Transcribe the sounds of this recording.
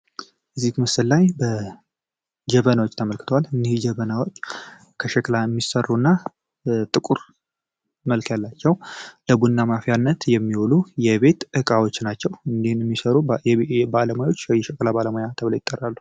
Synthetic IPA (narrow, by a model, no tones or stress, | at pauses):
ʔɨzːikmɨsɨllajbə | d͡ʒəβənawot͡ʃːt̪ʰəməlkʰɨt̪ʰəwalɨnːihd͡ʒəβənawo̞t͡ʃː | kʰəʃɛklajɛmːisərːunːa | t̪ʼɨkʼuɾ | məlkʰjalːat͡ʃːɛwləbunːamafjanːət̪jɛmːiwolujɛβe̞t̪ʔɨkʼawo̞t͡ʃːnat͡ʃːɛwɨnd̪ihnɛmːisəɾujbaləmojawot͡ʃːjɛʃɛklabaləmojat̪ʰəβləjɪt̪ʼːərːalːu